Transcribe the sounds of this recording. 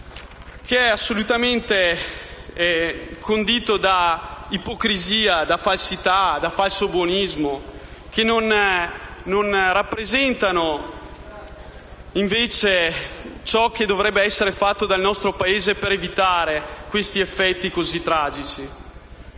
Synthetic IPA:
kʰeɛasːolut̪ament̪e | kʰond̪iːt̪od̪aipokɾiziːad̪afalsit̪ad̪afalsobwonizmokenːon | nonrapːɾezɛnt̪ano | iɱveːt͡ʃet͡ʃɔk̟ːed̪ːovɾɛbːeɛsːeɾefat̪ːod̪alnɔst̪ɾopaeːzepeɾevit̪aːɾekwest̪iefːɛt̪ːikozit̪ːɾaːd͡ʒit͡ʃi

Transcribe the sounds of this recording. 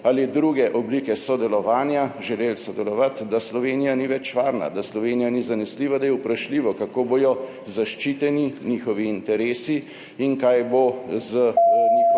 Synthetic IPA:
alid̪ɾuɡɛʔɔbliːkɛsɔd̪ɛlɔʋaːnjaʒɛleːlsɔd̪ɛlɔʋat̪d̪aslɔʋeːnijaniʋɛt͡ʃʋaːɾna̰d̪aslɔʋeːnijanizanɛsliːʋad̪ajɛwpɾaʃliːʋɔkakoːboːjɔ | zaʃt͡ʃiːt̪ɛninixɔʋiːnt̪ɛɾeːsi | iŋkajbozəi

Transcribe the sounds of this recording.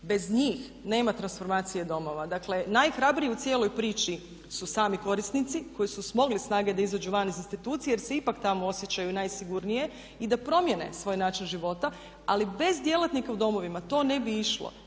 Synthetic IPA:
be̞zɲiːx | ne̞ːmat̪ɾansfo̞ɾmaːt̪sijed̪o̞mo̞ʋad̪akle̞najxɾabɾijeut̪sjelˠo̞jpɾiːt͡ʃi | susaːmiko̞ɾisnit̪siko̞jisusmo̞ɡlisnaːɡe̞d̪aizad͡ʒuʋanizinst̪it̪uːt̪sijejeɾseipakt̪amoo̞sje̞t͡ɕajunajsiɡuɾnije̞ | id̪apɾo̞mje̞ne̞̰sʋo̞ːjnaːt͡ʃinʒiʋo̞t̪a | alibe̞zd̪je̞lˠat̪nikaud̪o̞mo̞ʋimat̪o̞ːne̞biiʃlo̰

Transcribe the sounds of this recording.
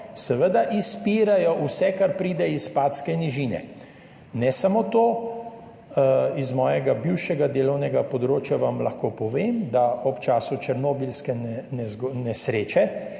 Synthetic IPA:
sɛʋəd̪aʔispiːɾajɔʔusɛkaɾpɾiːd̪ɛispaːt̪skɛniʒiːnɛ̰ | nɛsamoːt̪oː | izmɔːjɛɡabiwʃɛɡad̪eːlɔwnɛɡapɔd̪ɾoːt͡ʃjaʋamlɐxkoːpɔʋeːmd̪aɔpt͡ʃaːsut͡ʃəɾnobilskɛnɛnɛznɛsɾeːt͡ʃɛ

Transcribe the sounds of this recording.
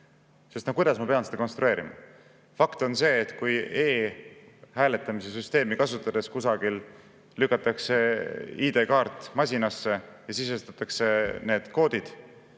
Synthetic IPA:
se̞st̪nokujd̪̥ɑsmɑpeɑnsed̪̥ɑko̞nst̪ɾue̞ːɾimɑ̰ | fɑkt̪o̞nse̞ːt̪ːkuje̞ː | hæːle̞t̪ːˑɑmis̬e̞syst̪e̞ːmikɑsut̪ːˑɑd̪̥e̞skusɑɡ̥il | lykːˑɑt̪ːˑɑkse̞iːd̪̥e̞kɑːɾt̪ːˑmɑsʲinɑsːe̞jɑsisest̪ɑt̪ːˑɑkse̞ne̞ːd̪̥ko̞ːd̪̥id̪̥

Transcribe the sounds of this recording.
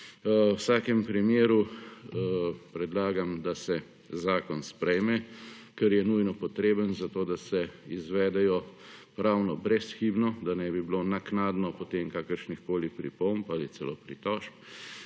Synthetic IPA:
wsaːkɛmpɾimjeːɾu | pɾɛd̪laːɡamd̪asɛ | zaːkɔnspɾɛjmɛkɛɾjɛnujnɔpɔt̪ɾeːbənzat̪oːd̪asɛizʋɛːd̪ɛjɔpɾawnɔbɾɛsxibnɔd̪anɛbibilonaknaːd̪nɔpɔt̪emkaːkəɾʃnixkoːlipɾḭpompalit̪sɛloːpɾit̪ɔʃp̚

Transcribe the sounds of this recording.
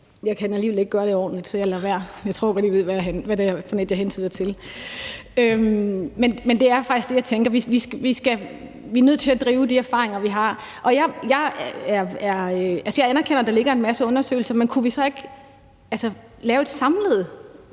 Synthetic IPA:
jɑ̈ɪkʰædenæliːʋeleɡ̥̚ɡ̥ɶːɐɾe̝ɒ̰ːd̥n̩lid̥sɒjɑ̈ɪlæʋæɐ̰jɑɪt͡sʰʁo̝ɐ̰ɡɒ̽d̥jiʋe̝ð̞̰ˠʋænʋædefɒneld̥jɑɦensʰyðˠɐt͡sʰe̝l | ømmenmend̥e̝æɐfɑ̈ɡ̥isɡ̥d̥e̝jɑ̈ɪt͡sʰeŋɡ̥ɐʋiʋisʋisɡ̥æ | ʋiænøð̰ˠt͡sʰe̝læd̥ʁiːʊd̥iæɐfɑ̰̈ːʁeŋɐʋiɦɑ̈ | ʔɒ̽jɑ̈ɪjɑ̈ɪæɐæɐøʔælsəjɑ̈ɪænɐkʰen̰ɐd̥ɑ̈le̝ɡ̥ɐe̝nmæsəɔ̽nɐsø̰ːɪl̩sɐmenkʰuʋisɒ̽e̝ɡ̥ | ælsə | lɛːʊe̝d̥sɑ̈mleð̞̩ˠ

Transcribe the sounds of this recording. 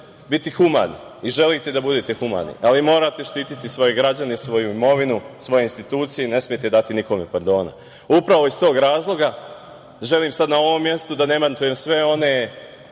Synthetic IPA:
bit̪ixuma̰ːnḭ | iʒe̞lit̪e̞d̪abud̪et̪e̞xuma̰ːnḭʔalimo̞ːɾat̪e̞ʃt̪iːt̪it̪isʋo̞jeɡɾad͡ʑanesʋo̞juimo̞ʋinusʋo̞je̞inst̪it̪uːt̪sijene̞smje̞t̪ed̪at̪iniko̞mepaɾd̪o̞ːna̰ | upɾaʋo̞ist̪o̞ːɡɾaːzlˠo̞ɡa | ʒe̞liːmsad̪nao̞ʋo̞mːje̞st̪ud̪ane̞mant̪uje̞msʋe̞o̞ne̞

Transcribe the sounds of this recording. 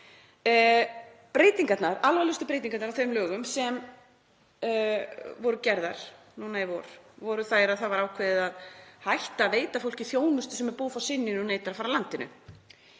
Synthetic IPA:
pɾejt̪iŋkat̪naɾalvalʏst̪ʏpɾejt̪iŋkat̪naɾawθeɾmlœːɣʏmsɛm | vɔɾʏcɛɾðaɾ̥nuːnajɛvɔɾ̥vɔɾʏθajɾaðθaðvaɾaːwkʰveːðɪðaðhajht̪aveːjt̪afowl̥cɪθjoːwnʏst̪ʏ̥sɛmɛɾpuːðfawsɪnːɪnneːjt̪aɾafaːɾalant̪ɪnʏ̰

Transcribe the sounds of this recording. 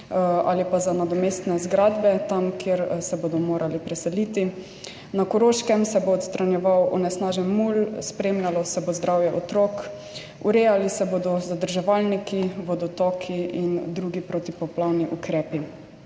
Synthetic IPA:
a̰lipazanad̪ɔmest̪nɛzɡɾaːd̪bɛt̪amkeɾsɛboːd̪ɔmoːɾʔalipɾɛsɛlit̪i | nakɔɾoːʃkɛmsɛboːt̪st̪ɾanjɛʋawɔ̰nɛsnaːʒɛnmulspɾeːmlʲalɔsɛbozd̪ɾawjɛʔɔt̪ɾɔːk | uɾeːjalisɛboːd̪ɔzad̪əɾʒɛʋalnikiʋɔd̪ɔt̪ɔkʰiind̪ɾuːɡipɾot̪ipɔplawniʔukɾɛːpi

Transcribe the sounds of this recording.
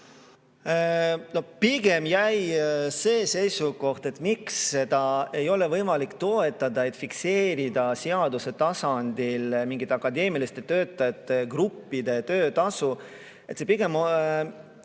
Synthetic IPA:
no̞piɡ̥e̞mjæjse̞ːse̞jsuko̞ht̪e̞t̪ːˑmiksːe̞d̪̥ɑe̞jo̞le̞vɤjmɑlikt̪o̞et̪ːˑɑd̪̥ɑe̞t̪fikse̞ːɾid̪ɑseɑd̪uset̪ɑsɑnd̪̥ilmiŋɡ̥it̪ːˑeɑkːˑɑd̪e̞ːmilist̪e̞t̪ø̞ːt̪ːˑɑjɑt̪ːˑe̞ɡɾupːid̪e̞t̪ø̞ːt̪ɑsu | e̞t̪sepiɡ̥e̞mo

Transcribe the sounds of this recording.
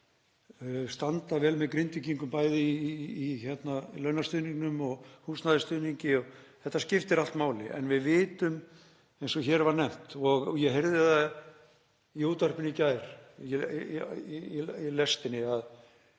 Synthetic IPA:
st̪ant̪avɛːlmɛðkɾɪnt̪ʏciŋkʏmpaːjðɪː | çɛt̪nalœɥnast̪ʏːðniŋnʏmɔɣhuːsnaðɪst̪ʏːðniɲcɪɔɣθɛht̪ːascɪft̪ɛɾal̥t̪maːwlɪ̰ʔɛ̰nvɪðvɪːt̪ʏm | ejnsɔçɛːɾvaɾnɛm̥t̪ɔɣjɛɦeɾðɪða | iuːt̪ar̥pɪnicaːjɾ̥ | iilɛst̪ɪnːɪað

